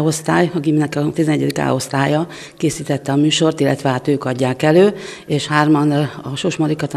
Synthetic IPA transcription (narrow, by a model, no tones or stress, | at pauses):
o̞st̪aːjɒɡimnɛkɒt̪izɛnɛɟːɛd̪ika̰ːo̞st̪aːjɒ | keːsiːt̪ɛt̪ːɛɒmyːʃo̞rt̪ilːʔɛ̰t̪ʋɛɦaːt̪øːkɒɟːaːkɛløː | eːʃhaːrmɒnɒʃoʃmɒɾikɒt̪